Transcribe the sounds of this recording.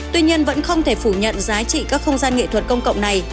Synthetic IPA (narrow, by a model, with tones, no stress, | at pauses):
t̪wi˧ɲi˧ənvə̰˧˥nxə˧wŋ͡mt̪ʰe˧˩fu˧˩ɲə̰˧˨nzaː˨˦t͡ɕḭ˧˨kaː˦˥k̚xə˧wŋ͡mzaː˧nŋḛ˧˨t̪ʰwə˨˩t̚kə˧wŋ͡mkə̰˧˨wŋ͡mna˨˩j